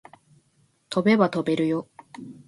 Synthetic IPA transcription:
t̪ʰo̞be̞βat̪o̞be̞ɾɯ̟jo̞

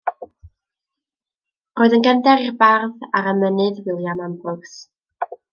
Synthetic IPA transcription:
roːɨðənɡəndɛɾirbarðaɾəmənɨdwɪlˠjamambrʊɡs

